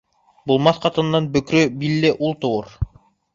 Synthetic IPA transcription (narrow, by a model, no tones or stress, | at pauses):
bulˠmɑθqʰɑt̪ɯnːɑnbøkɾøbilːeʔulˠt̪ouɾ